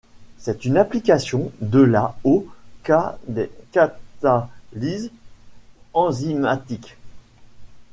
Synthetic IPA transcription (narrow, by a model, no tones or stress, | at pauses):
sɛt̪ynaplikʲasjɔ̃d̪əlao | kat̪aliz | ɑ̃zimat̪ik